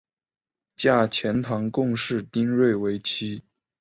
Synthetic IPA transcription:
t͡ɕja˥˩t͡ɕʰjɛ˧˥nt̪ʰɑ˧˥ŋkʊ˥˧ŋʂɻ̩˥˩t̪i˥ŋɻwe˥˩ɪwe˧˥ɪt͡ɕʰi˥

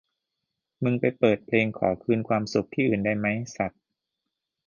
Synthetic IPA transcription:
mɯ˧ŋpa˧jpɤː˨˩t̪̚pʰleː˧ŋkʰɔ̰ː˩˦kʰɯː˧nkʰwaː˧msu˨˩k̚t̪ʰiː˥˩ʔɯː˨˩nda˥˩jma˦˥jsa˨˩t̪̚

